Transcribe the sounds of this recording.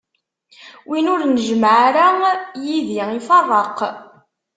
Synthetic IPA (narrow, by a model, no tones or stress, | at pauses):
winʊɾnəʒmʕaɾajiðiifɑrˤːɑq